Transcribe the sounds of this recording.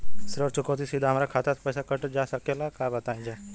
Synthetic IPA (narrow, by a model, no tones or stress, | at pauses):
sɪɾɔːɾt͡ʃʊkot̪̬isid̪ʱaɦɐmaːɾakʰaːt̪apəjsakəʈd͡ʒaːsəkelakaːbɐt̪aːĩd͡ʒaː